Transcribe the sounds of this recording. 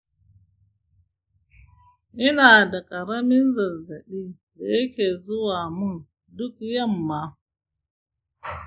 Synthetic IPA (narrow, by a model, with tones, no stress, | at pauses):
ʔɪ˦naː˨da˨kʼɐ˨ɾa˦mɪ˦nzɐ˨za˨ɗi˦da˨jɐ˦ke˨zʊ˦waː˨mu˦n | dʊ˦kja˦mːa˦